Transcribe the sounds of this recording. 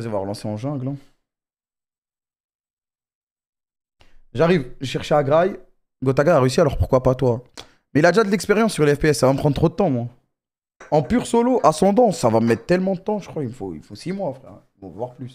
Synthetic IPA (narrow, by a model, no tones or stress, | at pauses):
zavwaʁlɑ̃seɑ̃ʒɛ̃ɡlɛ̃ | ʒaʁivʒəʃɛʁʃeaɡʁaj | ɡɔt̪aɡajaʁeys̬ialɔʁpu̥ʁkwapat̪wa | mɛilad̪eʒad̪əlɛkspeʁjɑ̃sːyʁleɛfpeɛsːavaməpχɑ̃d̪t̪χod̪ət̪ɑ̃mwa | ɑ̃pyʁsɔloʔasɑ̃d̪ɑ̃ːavaməmɛt̪χt̪ɛlmɑ̃d̪ət̪ɑ̃ʒə̥kχwaiməfoḭlfosimwafχɛ̰imɔ̃vavwaʁplys